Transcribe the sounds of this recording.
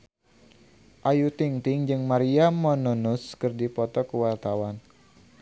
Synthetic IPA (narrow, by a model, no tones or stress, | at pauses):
ʔajut̪iŋt̪iŋd͡ʒɨŋmaɾiamːɔnunuskɨrdipɔt̪ɔkuwart̪awan